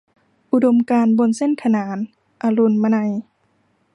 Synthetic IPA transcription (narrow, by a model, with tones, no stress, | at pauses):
ʔu˧do˧mkaː˧nbo˧nse˧˥˨nkʰa˧naː˨˩˦n | ʔa˧lu˧˩˨nma˧na˧j